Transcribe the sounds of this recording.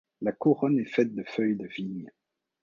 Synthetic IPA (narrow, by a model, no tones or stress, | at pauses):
lakuʁɔnɛfɛt̪̚d̪əfœjd̪əviɲ